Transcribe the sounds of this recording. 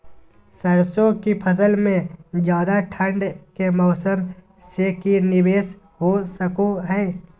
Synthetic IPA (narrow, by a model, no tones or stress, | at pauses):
səɾsõkipʰəs̬əlmẽd͡ʒjaːd̪aʈʰə̃ɳɖkemɔːsəm | sekinɪbeːs | ɦosəkoɦɛː